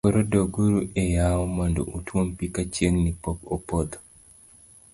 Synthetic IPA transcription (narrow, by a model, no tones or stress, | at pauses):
oɾodoɡuɾuʔejaɔmando̰ʔutwompikat͡ʃjeŋnipokopod̪o̥